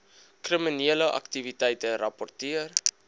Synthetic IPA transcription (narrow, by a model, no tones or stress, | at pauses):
kriminiələʔɐ̰ktivitɛjtərɐpɔrtiər